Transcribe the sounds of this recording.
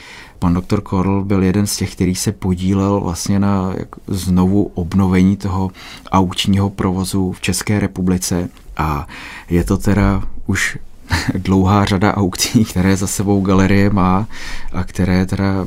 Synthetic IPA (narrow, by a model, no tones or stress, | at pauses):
pando̞k̚t̪o̞ɾkʰoɾl̩bɪljɛdɛnscɛxk̚t̪ɛɾiːsɛpo̞ɟiːlɛlvlʔa̰st̪ɲɛnaja̰kzno̞vuʔobno̞vɛɲiːt̪o̞ɦo̞ | ʔawkt͡ʃɲiːɦo̞pɾʔo̞vo̞zuft͡ʃɛskɛːɾɛpublɪt͡sɛ | ʔajɛt̪o̞t̪ɛɾaʔuʃ | dlo̞wɦaːr̝ada̰ʔawkt͡siːkt̪ɛɾɛːzasɛbo̞wɡalɛɾɪjɛmaːʔakt̪ɛɾɛːt̪ɛda